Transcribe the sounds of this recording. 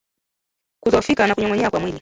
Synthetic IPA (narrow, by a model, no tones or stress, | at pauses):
kutɔfikanakuɲɔŋɡɔɲɛakwamwili